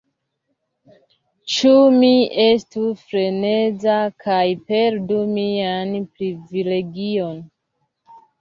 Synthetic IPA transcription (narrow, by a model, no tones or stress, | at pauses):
t͡ʃumie̞stufɾe̞ne̞d͡zakʰajpe̞ɾdumianpɾivile̞ɡio̞n